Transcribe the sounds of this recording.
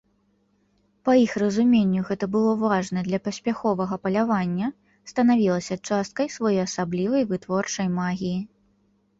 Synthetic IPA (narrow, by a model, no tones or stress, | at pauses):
pɐjixrɐzumʲenʲːuɣɛt̪ɐbɨlˠɔvaʐnɐd̪lʲɐpɐsʲpʲaxɔvɐɣɐpɐlʲavanʲːɐ | st̪ɐnavʲilˠɐsʲɐt͡ʂast̪̚kɐjsvajɔjɐsablʲivɐjvɨt̪vɔrt͡ʂɐjmaɣʲiji